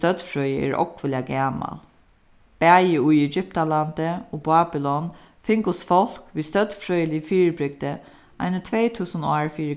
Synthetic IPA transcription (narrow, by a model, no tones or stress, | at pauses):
t̪œt̪fɹœːjəɛ̰ːɹʔɔ̰kvɪljaɡæːma̰l | b̥æːjɪʊjɛd͡ʒʏp̚t̪alant̪əɔbaːbɪlɔn | fɪŋkʊsfɔl̥kʋiːst̪œt̪fɹœːjəliːfiːɹbɾɪɡ̚d̪ə | ʔa̰jnət̪ʰvɛːt̪ʰuːsənaːɹfiːɹɪ